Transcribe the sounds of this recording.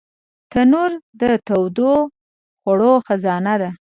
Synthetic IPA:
t̪anuɾd̪ət̪awd̪o | xaɽoxazɑnad̪a

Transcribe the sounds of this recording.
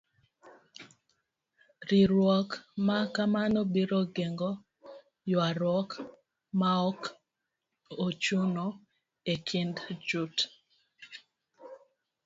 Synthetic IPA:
ɾiɾwɔkmakamanobiɾoɡeŋɡo | jwaɾwɔk | maɔk | ot͡ʃuno | ekʰindd͡ʒut

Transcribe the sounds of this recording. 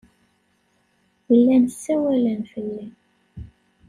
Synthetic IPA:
wəlːænsːæwælænfəlːæ

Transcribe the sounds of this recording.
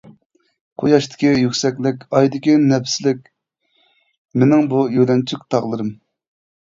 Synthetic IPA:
qʰojɑʃt̪ʰɪ̥kʲijykʲsɛkʲlɪkʲɑjd̪ɪkʲinɛpsɪlɪkʲ | menɪŋbujølɛnt͡ʃʰyk̚ʲt̪ʰɑʁlˠɨɾɨm

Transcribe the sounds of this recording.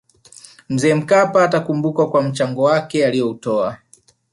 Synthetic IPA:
m̩zɛːm̩kapaːtakumbukakwam̩t͡ʃaŋɡɔwakɛalijɔutɔa

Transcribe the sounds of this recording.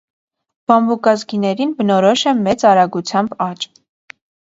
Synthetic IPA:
b̥ɑmbukɑzɡinɛɾinbənɔɾɔʃɛmɛt͡sɑɾɑɡut͡sʰjɑmbɑt͡ʃ

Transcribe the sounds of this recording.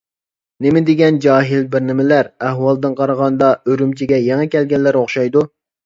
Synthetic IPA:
nɪmɪd̪eɡʲɛnd͡ʒɑːɦɪlbɪɾnɪmɪlæɾæhwɑlˠd̪ɨnqʰɑɾəʁɑnd̪ɑøɾymt͡ʃʰiɡʲɛjɛŋɛkʲɛlɡʲɛlːæɾoχʃɑjd̪u

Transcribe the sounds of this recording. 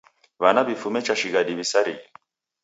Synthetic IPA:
βanaβifumɛt͡ʃaʃiɡaɗiβisaɾḭi

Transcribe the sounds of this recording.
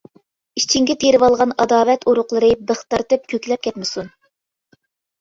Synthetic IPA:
it͡ʃʰiŋɡʲit̪ʰeɾɪwɑlˠʁɑnɑd̪ɑːvɛt̪ʰuɾʊqlˠɨɾɨbəχt̪ɑɾt̪ɨp̚kʲʰøkʲlɛp̚kʲʰɛt̪mɪsun

